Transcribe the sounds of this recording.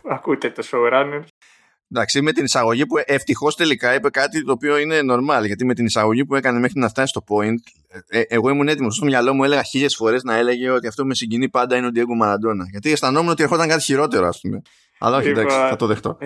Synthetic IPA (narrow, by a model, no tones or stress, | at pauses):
ɐkut̪et̪osoɣɾɐne | nd̪ɐksime̞t̪inisɐɣo̞ʝipuʔeft̪ixo̞st̪e̞likɐipe̞kɐt̪it̪o̞ːpio̞ine̞no̞ɾmɐlʝɐt̪ime̞t̪inisɐɣo̞ʝipue̞kɐneme̞xɾinɐft̪ɐsist̪o̞po̞int̪ | ʔeɣo̞imune̞t̪imosost̪oʝɐlo̞mue̞le̞ɣɐçiʎe̞sfo̞ɾe̞znɐe̞le̞ʝe̞o̞t̪iɐft̪o̞pume̞siɲɟinipɐnd̪ɐineod̪ieɡumɐɾɐd̪o̞nɐʝɐt̪iest̪ɐno̞muneot̪ieɾxo̞t̪ɐŋkɐt̪içiɾo̞t̪e̞ɾoɐ̰spume̞ | ɐ̰lɐoçid̪asiɐt̪oðe̞xt̪o̞̰